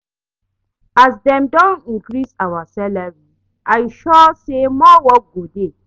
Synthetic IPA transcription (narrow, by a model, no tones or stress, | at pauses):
ʔasdɛ̃mdɔ̃nĩŋkɾisawasɛlaɹi | ʔajʃɔsemɔwɔt̚ɡode